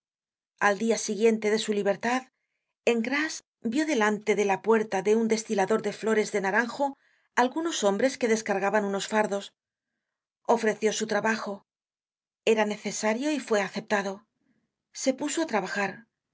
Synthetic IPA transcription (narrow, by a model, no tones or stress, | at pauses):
ald̪iasiɣje̞nt̪e̞ðe̞suliβ̞e̞ɾt̪að | eŋɡɾas | bjo̞ðe̞lant̪e̞ðe̞lapwe̞ɾt̪aðe̞und̪e̞st̪ilaðo̞ɾðe̞flo̞ɾe̞zðe̞naɾaŋxo̞ | alɣuno̞so̞mbɾe̞skeðe̞skaɾɣaβanuno̞sfaɾðo̞s | o̞fɾe̞θjo̞sut̪ɾaβaxo̞ | e̞ɾane̞θe̞saɾjo̞ifwe̞aθe̞p̚t̪aðo̞ | se̞puso̞at̪ɾaβaxaɾ